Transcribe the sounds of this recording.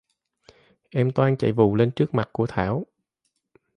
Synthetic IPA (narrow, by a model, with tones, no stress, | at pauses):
ʔɛ˧mt̪waː˧nt͡ɕa̰˧˨˩jvṵ˧˨le˧nt͡ɕɨ˦˥ək̚ma˨˩t̚ku˧˩ət̪ʰaː˧˩w